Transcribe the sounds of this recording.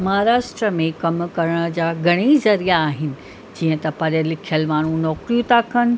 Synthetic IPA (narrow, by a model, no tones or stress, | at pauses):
maɦɾaːsʈɾəmẽkɐmkɐɾəɽ̃əd͡ʑaːɡʱɐɽ̃izɐɾijaːɦɪnɪ̆ | d͡ʑiːə̃t̪ɐpɐɗəlɪkʰijəlmaːɳ̤̃ũnɔːkɾijũt̪akʰɐnɪ̆